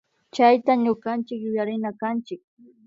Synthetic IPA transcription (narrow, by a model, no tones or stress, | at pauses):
t͡ʃajt̪aɲʊɢant͡ʃɪkjʊjaɾɪnakant͡ʃɪk̚